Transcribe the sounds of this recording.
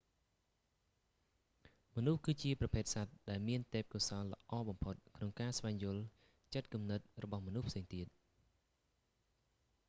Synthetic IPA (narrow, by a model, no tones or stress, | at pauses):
mɔnuhkɨːt͡ɕiəprɑpʰeːt̪̚sat̪̚ɗaɛlmiənt̪ɛːp̚kuəsɑːnlə̆ʔɑːɓɑmpʰot̪̚kʰnoŋkaːsʋaɛŋjʊ̆əl | t͡ɕət̪̚kumnɨt̪̚rɔɓɑhmɔnuhpʰseːŋt̪iət̪̚